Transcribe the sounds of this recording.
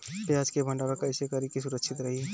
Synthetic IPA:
pjad͡ʒkebʱə̃ɳɖabekəɪsekəɾikisuɾəksʰit̪ɾəɦi

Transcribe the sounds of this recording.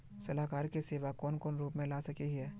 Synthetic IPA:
sɐlaːkaːɾkeseːʋakɔːnkɔːnɾuːpmẽlaːsɐkiɦɦɛː

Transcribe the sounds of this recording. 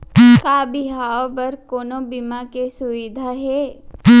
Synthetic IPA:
kaːbɪɦaːobɐɾkoːnõbimakesʊʋɪd̪ʱaɦɛː

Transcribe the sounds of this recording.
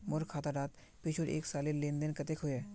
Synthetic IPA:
mʊɾkʰaːt̪aɖaːt̪ | pɪt͡ʃʰoɾḛːksaːlilẽːnd̪ənkɐt̪ekʰɦʊeː

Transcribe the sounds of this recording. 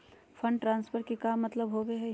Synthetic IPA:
fʰə̃ɳɖʈɾãːnspʰəɾkikaːmːɐt̪ləbɦoːbeɦɛ

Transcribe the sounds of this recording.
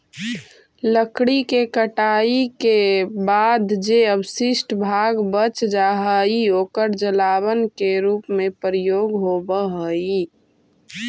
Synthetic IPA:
ləkɽikekəʈaikebad̪d͡ʒeəbsɪsʈbʱaɡbət͡ʃd͡ʒaɦəioːkəɾd͡ʒəlaβənkeɾuːpmẽpɾijoːɡɦobəɦəi

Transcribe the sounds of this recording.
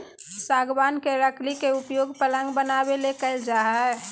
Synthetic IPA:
saːɡbaːnkeɾəklikeʊpjoːɡpələ̃ŋɡbənaːbelekəɪld͡ʒaːɦɛː

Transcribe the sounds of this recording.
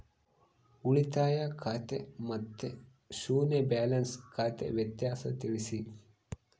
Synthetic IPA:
uɭit̪aːjakʰat̪ḛmɐt̪ːe | ʃuːnebæːlɐnskʰat̪ḛʋet̪jaːsɐt̪iʋisi

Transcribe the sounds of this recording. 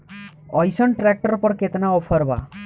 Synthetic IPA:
ɔjsɔnʈɾek̚ʈɔɾpɔɾket̪naɔpʰɔɾba̰

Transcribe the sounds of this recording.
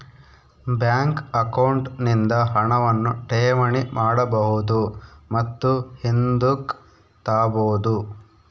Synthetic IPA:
bjaːŋkɐkɐwɳʈnind̪ɐɦɐɳɐʋɐnːuʈeːmɐɳimʔaːɽɐbɐɦud̪umɐt̪ːuhind̪uk | t̪aːboːd̪u

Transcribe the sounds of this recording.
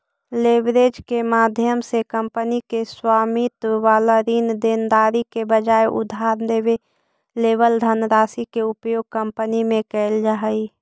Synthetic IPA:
leːbɾed͡ʒkemaːd̪ʱjəmsekəmpənikeswaːmit̪ʋaːləɾiːnd̪end̪aːɾikebəd͡ʒaːeʔʊ̰d̪ʱaːɾd̪eːʋe | leːʋəld̪ʱənɾaːsikeʊpjoːɡ̚kə̃mpənimẽkɛɪld͡ʒaɦəi

